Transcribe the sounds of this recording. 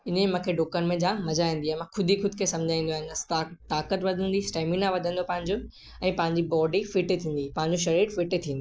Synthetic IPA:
ɪnemãːkʰeɖoːkənmẽd͡ʑãmɐd͡ʑaːĩːn̆d̪iamãkʰʊd̪ʱixʊd̪ʱkʰesɐ̃md͡ʑʱaːĩːnd̪oaɦɪnt̪aʈaːkət̪ʋɐd̪ʱə̃nd̪isʈaːɪmɪ̃nãʋɐd̪ʱə̃nd̪opɐ̃ɦɪ̃ɲd͡ʑo | ɛ̃ːpɐ̃ɦɪ̃ɲd͡ʑibɔːɖifɪʈt̪ʰĩːn̆d̪ipɐ̃ɦɪ̃ɲd͡ʑoʃɐɾeːɖfɪʈt̪ʰĩːndi

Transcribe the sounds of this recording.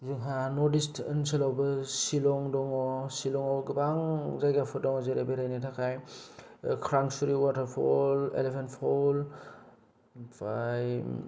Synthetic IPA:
zuŋɦanɔdistənsilawbɯsilɔŋdɔŋɔsilɔŋɔwɡibaŋzajɡapʰɯdɔŋɔzeɾebeɾajnatʰakʰaj | kʰɾaŋsuɾiwatʰaɾpʰɔ̰lḛlepʰentpʰol | paj

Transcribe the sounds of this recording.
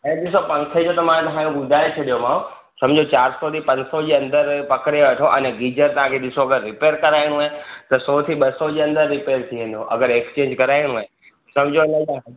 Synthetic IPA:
ɐ̃ɗ̪ɪsopɐ̃ŋkʰed͡ʑot̪ɐmãt̪ɐɦãkʰõɓʊd̪ʱaːet͡ɕʰɐɗijomãːõ | sɐmd͡ʑot͡ɕaːɾsɔt̪ʰipɐ̃ɲd͡ʑsɔd͡ʑeːɐ̃nd̪əɾpɐkɾeoʋɐʈʰoʔɐnɛɡiːd͡ʑəɾt̪ɐɦãkʰeɗ̪ɪsoɐɡəɾːɪpeːɾkɐɾaːiɽ̃ũaːɦet̪ɐsɔːt̪ʰiɓɐsɔd͡ʑeːɐ̃nd̪əɾːɪpeːɾt̪ʰiʋẽːn̆d̪oʔɐɡəɾekst͡ɕẽːɲd͡ʑkɐɾaːiɽ̃ũaːɦe | sɐ̃md͡ʑʱoɐlɐaːɦ

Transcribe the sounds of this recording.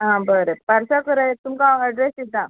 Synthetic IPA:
ɦãbəɾepəɾsakəɾaet̪umkãəɖɾesid̪a

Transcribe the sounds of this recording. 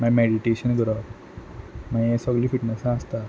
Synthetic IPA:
majmeɽiʈeɕənɡəɾab | majesɔɡliːfiʈnəsãːst̪a

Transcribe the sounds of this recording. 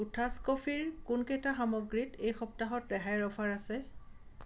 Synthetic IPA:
utʰaskɔfʰiɹkʊnkɛtaxamɔɡɹitejxɔp̚taɦɔtɹɛɦajɹɔfaɹasɛ

